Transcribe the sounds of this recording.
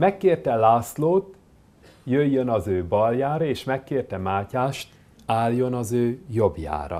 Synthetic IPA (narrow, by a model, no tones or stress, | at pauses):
mɛkːeːrt̪ɛlaːsloːt̪ | jøjːønɒzøːbɒljaːɾɒeːʃmɛkːeːrt̪ɛmaːcaːʃt̪ | aːljo̞nɒzøːjo̞bja̰ːɾɒ̰